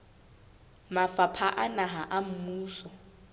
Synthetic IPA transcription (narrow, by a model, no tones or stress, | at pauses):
mafapʰaʔanaɦaʔam̩muːsɔ